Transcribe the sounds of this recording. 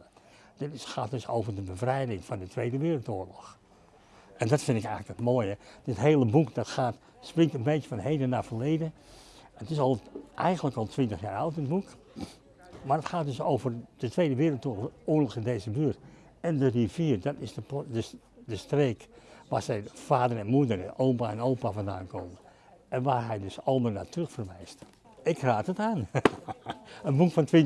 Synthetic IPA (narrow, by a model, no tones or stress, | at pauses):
d̥ɪtɪsxaːt̚døso̰wvərdəbəvrɛjdɪŋfɑndətʰʋeːdəʋɪːrəlˠtoːlɔx | ʔɛndɔtfɪndɪkɛjɣələkətmoːjəd̥ɪtɦeːləbukdɔtxaːt | sprɪŋtənbejtəfɔnɦejdənafəleːdəətɪsɔlˠʔɛjxənləkɔlˠtʰʋɪntəxjaːɹɔwt̚dɪbuk | marətxaːt̚dʏsoːvərd̥ətʋejdəʋɪːrəlˠtooːəlɔxɪndeːzəbyət | ɛndəriviːərdɔtɪsədəs | dəstreːkʋa̰ːɹsɛjnfaːdərɛnmudəroːpaɛnowpafɔnda̰ːnkʰoːmə | ʔɛnʋaːrɦɛjdøsɔlˠməna̰ːtrøxfərʋɛjst | ɪkraːtətaːn | ənbukfɔntʋɪ